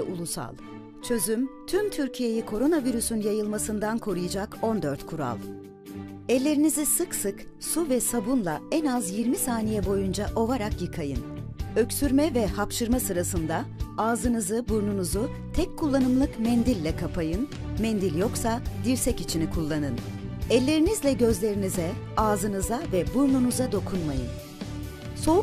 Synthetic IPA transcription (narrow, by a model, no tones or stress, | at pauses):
ulˠusa̰lˠ | t͡ʃʰø̞zymt̪ʰymt̪ʰyɾcʰije̞jikʰo̞ɾo̞naviɾysynjajɯlˠmasɯnd̪ankʰo̞ɾujɯd͡ʒako̞nd̪ø̞ɾt̪kʰuɾa̰lˠ | ɛlʲːe̞ɾinizisɯksɯksuvɛsabunlˠaɛnazjiɾmisaːnijɛbo̞jund͡ʒaʔo̞vaɾakjɯkʰajɯnø̞csyɾmɛvɛhapʃɯɾmasɯɾasɯnd̪aaːzɯnɯzɯbuɾnunuzu | t̪ʰɛc̚kʰːulˠːanɯmlˠɯkmɛnd̪ilʲːɛkʰapʰajɯn | mɛnd̪ilʲjo̞ksad̪iɾsɛcit͡ʃʰinikʰulˠːanɯnɛlʲːe̞ɾinizlʲɛɟø̞zlʲe̞ɾinizɛaːzɯnɯzavɛbuɾnunuzad̪o̞kʰunmajɯ̰n | so̞